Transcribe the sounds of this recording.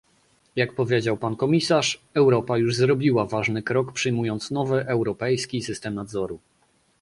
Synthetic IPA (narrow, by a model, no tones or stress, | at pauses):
jak̚pɔvʲjed͡ʑawpankɔmʲisaʂɛwɾɔpajuʐzɾɔbʲiwavaʐnɘkɾɔkpʂɘjmujɔnt̪snɔvɘʔɛwɾɔpɛjskʲisɘst̪ɛmnad̪zɔɾu